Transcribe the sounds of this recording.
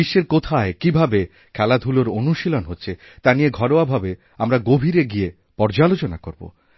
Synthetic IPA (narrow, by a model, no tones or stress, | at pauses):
iʃːeɾkot̪ʰaekibʱabe | kʰɛlad̪ʱuloɾonuʃilonɦotːɕʰe | t̪anijeɡʱɔɾoabʱabe | amɾaɡobʱiɾeɡie | pɔɾd͡ʑalot͡ɕonakoɾbo̰